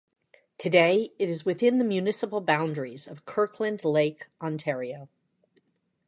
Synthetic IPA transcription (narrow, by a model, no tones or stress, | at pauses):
tʰɨdeɪɨɾɨzwɨθɪ̃nðɨmjʉnɪsəpl̩ˠbãʊ̃ndɹizʌv̥kʰɜ˞kʰlɨ̃nleɪkʔɑ̃ntʰɛɹioʊ